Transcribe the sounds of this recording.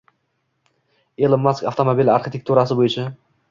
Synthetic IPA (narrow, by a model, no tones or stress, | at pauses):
elˠɪmːaskʲaft̪ʰomobilaɾχɪt̪ʰek̚ʲt̪ʰuɾasɪbojɪt͡ʃʰa